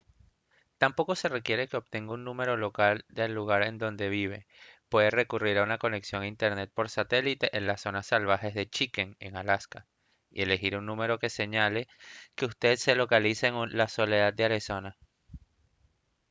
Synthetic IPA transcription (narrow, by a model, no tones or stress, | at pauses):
t̪ampo̞ko̞se̞re̞kje̞ɾe̞ke̞o̞β̚t̪e̞ŋɡaunnũme̞ɾo̞lo̞kald̪e̞lːuɣ̞aɾe̞nd̪o̞nd̪e̞β̞iβ̞e̞̰pwe̞ðere̞kuriɾaunako̞ne̞ksjo̞ŋaint̪e̞ɾne̞t̪̚po̞ɾsat̪e̞lit̪e̞ʔenlaso̞nasːalβaxe̞zðet͡ʃike̞ŋe̞ŋalaska | ḭe̞le̞xiɾunnũme̞ɾo̞ke̞se̞ɲale̞ke̞ust̪e̞ðse̞lo̞kaliseːŋulaso̞le̞ðad̪̚d̪eaɾeso̞na